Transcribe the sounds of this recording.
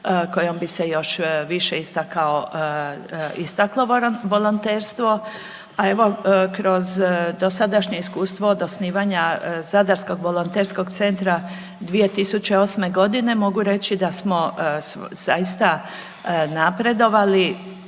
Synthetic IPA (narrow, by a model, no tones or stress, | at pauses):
ko̞jo̞mbisejo̞ʃʋiʃeist̪akao | ist̪aklˠoʋo̞lˠont̪eːɾst̪ʋo̞ | ae̞ʋo̞kɾo̞zd̪o̞sad̪aʃɲe̞iskuːst̪ʋoːd̪osniːʋaɲazad̪aɾsko̞ɡʋo̞lont̪eɾsko̞ɡt̪se̞nt̪ɾa | d̪ʋie̞t̪isut͡ɕe̞o̞ːsme̞ɡo̞d̪ine̞moɡuɾe̞t͡ɕid̪asmo̞sz̥ajist̪a | napɾe̞d̪o̞ʋali